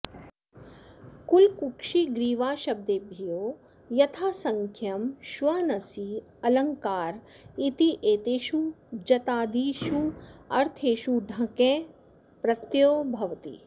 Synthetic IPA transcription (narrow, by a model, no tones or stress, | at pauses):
kulkukʃiɡɾiːʋaːʃɐb̚d̪eːbʱijoː | jɐt̪ʰaːsɐŋkʰjɐmʃʋɐnɐsi | ɐlɐŋkaːɾ | it̪iʔeːt̪eːʃud͡ʒɐt̪aːd̪iːʃuɐɾt̪ʰeːʃuɖʱɐkẽː | pɾɐt̪joːbʱɐʋɐt̪ḭ